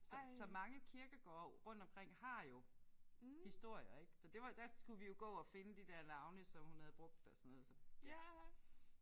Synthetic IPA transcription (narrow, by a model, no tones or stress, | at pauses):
sɒ̽sɒ̽mɑ̈ŋəkʰiɐɡ̥ɐɡ̥ɒ̰ːʁɔ̽n̰d̥ɒ̽mkʰʁeŋ̰hɑ̈jo̝ | hisd̥o̝ɐ̰jɐe̝ɡ̥sɒd̥e̝ʋɑ̈d̥æsɡ̥uʋijo̝ɡ̥ɔ̰̽ːɒ̽fe̝nəd̥id̥æɐ̰nɑ̈ʊnəsɒ̽mhunhæð̞̩ˠb̥ʁɔ̽ɡ̥̚d̥ɒ̽sɒnːɔːð̩ˠsɒ̽jæ